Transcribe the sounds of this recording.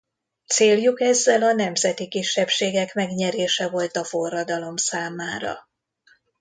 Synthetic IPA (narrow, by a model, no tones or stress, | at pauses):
t̪seːljukɛzːɛlɒnɛmzɛt̪ikiʃːɛpʃeːɡɛkmɛɡɲɛɾeːʃɛvo̞lt̪ɒfo̞rːɒd̪ɒlo̞msaːmaːɾɒ̰